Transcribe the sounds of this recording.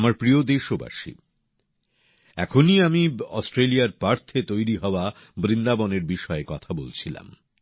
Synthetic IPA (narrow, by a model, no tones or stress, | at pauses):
amaɾpɾiod̪eʃoba̰ʃḭ | ɛ̰kʰoniamiɔ̰sʈɾelijaɾpaɾt̪ʰet̪ojɾiɦɔoa | bɾind̪abɔneɾbiʃɔekɔt̪ʰabolt͡ɕʰila̰m